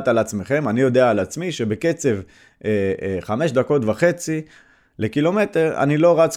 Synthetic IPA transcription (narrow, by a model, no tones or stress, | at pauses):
t̪alat͡sme̞χe̞manijo̞deaːlat͡smiʃe̞be̞ke̞t͡se̞v | eχame̞ʃd̪ako̞tvaχe̞t͡si | le̞kilo̞me̞te̞ʁa̰nilo̞ʁat͡s